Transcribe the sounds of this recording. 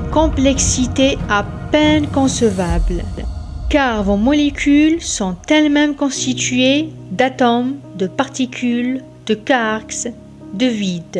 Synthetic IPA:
kɔ̃plɛksit̪eapɛnkɔ̃səvablkaʁvɔ̃mɔlekʲʰylsɔ̃t̪ɛlmɛmkɔ̃st̪it̪ɥed̪at̪ɔmd̪əpaʁt̪ikʲʰyl | d̪̥əkaʁks | d̪əvid̪

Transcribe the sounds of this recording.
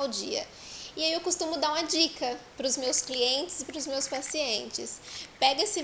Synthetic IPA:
awd͡ʒiɐ̰ | iaiewkost̪ũmʊd̪aɾũmɐd͡ʒikɐpɾʊzmewskliẽnt͡ʃɪzɪpɾʊzmewspasiẽnt͡ʃɪ̰spɛɡɐesɪ

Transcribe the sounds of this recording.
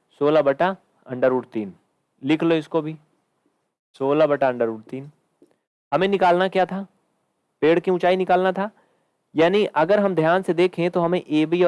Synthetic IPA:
soːlabɐʈa | ɐ̰̃ɳɖəɾʊɽt̪iːn | lɪkʰloɪskobʱiː | soːlabɐʈaɐ̃ɳɖəɾʊɽt̪iːn | hɐmẽnɪkaːlnakjaːt̪ʰaː | peːɽkeũt͡ʃaːinɪkaːlnat̪ʰaː | jaːniʔɐɡəɾɦɐmd̪ʱjaːnsed̪eːkʰɦẽt̪oɦɐmẽʔeːʋiɔː

